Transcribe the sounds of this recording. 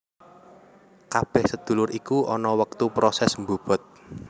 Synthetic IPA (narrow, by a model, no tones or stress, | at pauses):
kab̥ɛ̤hsəd̪̥ṳlʊɾʔikuɔnɔwək̚t̪upɾosɛsmbub̥ɔ̤t̪̚